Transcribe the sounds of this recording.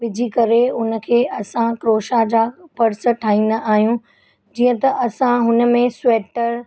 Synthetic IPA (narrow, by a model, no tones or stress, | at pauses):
ʋɪd͡ʑʱikɐɾeʊnə̆kʰeːʔɐsãkɾoːʃad͡ʑaːpɐɽsəʈʰaːĩːnəʔaːɦijũ | d͡ʑiːə̃t̪ɐʔɐsãɦʊnə̆mẽsweːʈəɾ